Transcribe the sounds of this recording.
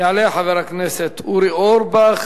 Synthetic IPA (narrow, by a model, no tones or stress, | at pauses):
ʕaleħaveɾakneset̪ʰuɾioɾbaχ